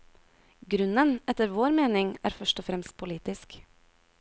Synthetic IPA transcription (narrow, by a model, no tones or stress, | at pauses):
ɡɾʉnənɛt̪əɾʋoːɾmeːnɪŋæ̰ːɾfœʃʈɔfɾɛmst̪̚pʰʊliːt̪ɪsk